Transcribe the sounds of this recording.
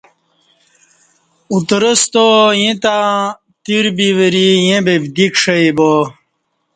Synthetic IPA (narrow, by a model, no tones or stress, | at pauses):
ut̪ɾəst̪ojẽt̪a | t̪iɾbiʋəɾijẽbebd̪ikʂɐjbo